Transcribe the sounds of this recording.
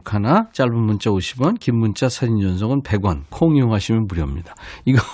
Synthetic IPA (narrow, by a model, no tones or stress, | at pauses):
kʰanat͡ɕ͈aɭbunmunt͡ɕ͈ʰaoɕʰibʌnkimːunt͡ɕ͈ʰasʰad͡ʑind͡ʑʌnsʰʌɡɯnpe̞ɡwankʰoŋioŋɦaɕʰimjʌnmuɾjʌmɲid̥ḁiɡʌ